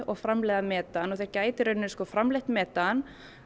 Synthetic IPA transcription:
ɔɣfɾamlɛɣðamɛːt̪anɔθejɾ̥caːjt̪ɪɾʏnːɪskɔːfɾamlɪht̪mɛːt̪an

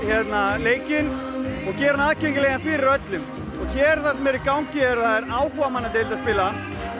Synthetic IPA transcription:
çɛt̪naleːjcɪnɔɣcɛːɾanaːðcejŋcɪlɛɣanfɪɾɪɾœt̪lʏm | ɔɣçɛːɾ̥θasɛmɛɾikawɲcɪɛɾθaðɛɾaːwkɔvamanːat̪eːlt̪aspɪːla

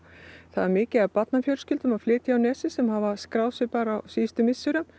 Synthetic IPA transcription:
θaðɛɾmɪːcɪaɾpat̪nafjœl̥scʏlt̪ʏmaðflɪːt̪jawnɛːsɪsɛmhavaskɾaːwsɪpaːɾawsiːst̪ʏmɪsːʏɾʏm

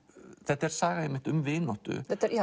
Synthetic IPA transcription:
θɛht̪ːaɛɾ̥saːɣaɛmːɪht̪ʏmvɪːnɔht̪ʏ̰θɛt̪ːaɾi

